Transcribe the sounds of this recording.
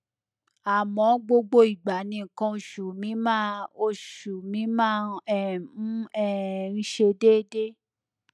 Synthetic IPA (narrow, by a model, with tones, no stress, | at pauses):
a˨mɔ̃˨˦ɡ͡bo˧ɡ͡bo˧i˨ɡ͡ba˨˦nĩ˧˨kã˧˨ʃu˨mĩ˨˦mãː˦˨o˧ʃu˨mĩ˨˦mãː˦˨˧ɛ˦˨˦ | ɛ˦˨n̩˦ʃe˧de˦de˦